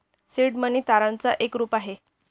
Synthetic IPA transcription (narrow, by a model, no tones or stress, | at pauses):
siɽməniːt̪aɾant͡saʔekɾuːpaɦe